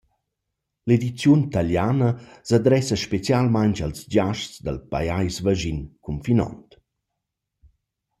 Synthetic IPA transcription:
led̪it͡sjunt̪aljanəsad̪ɾɛsaʃpet͡sjalmaɲt͡ʃalsd͡ʒaʃt͡sd̪a̰lpa̰jajsvaʒinkʰumfinɔ̰nt

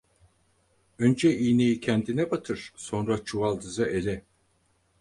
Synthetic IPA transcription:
ønd͡ʒɛijnejicʰænd̪inɛbat̪ʰɯɾ̥so̞nɾat͡ʃʰuvalˠd̪ɯzɯʔelɛ

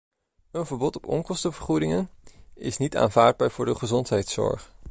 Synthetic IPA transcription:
ənvəɹbɔtɔpɔŋkɔstəvəɹχudɪŋənɪ̰snita̰ːnvaːɹd̚baːɹv̥ʊːɹdəχəzɔntɦɛjtsɔ̰ɹχ

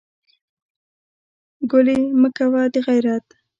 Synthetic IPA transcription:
ɡʊliməkawad̪əɣajɾat̪

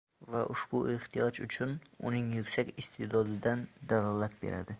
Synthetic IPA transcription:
vaʔʊʃbʊeht̪ʰijɒd͡ʒʊt͡ʃʰʊnʊ̰nɪŋjʊkʲsakʲɪst̪ʰed̪ɒd̪ɪd̪and̪alˠɒlat̪̚beɾa̰d̪ɪ

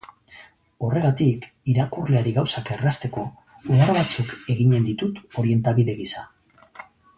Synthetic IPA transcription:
o̞re̞ɣat̪ik | iɾakurle̞aɾiɣawsake̞rast̪e̞ko̞ | uɣaɾaβat͡suke̞ɣiɲe̞nd̪it̪ut̪o̞ɾie̞nt̪aβiðe̞ɣisa

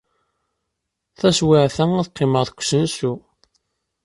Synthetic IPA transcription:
θæswɪʕθææðqːɪməʁθəkʷːsənsu

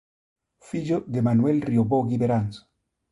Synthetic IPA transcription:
fiʎoðemanuelrioβoɣiβeɾanso̥

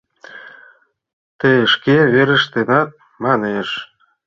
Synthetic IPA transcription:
t̪eʃkeβeɾə̆ʃt̪enɑt̪̚ | mɑneʃ

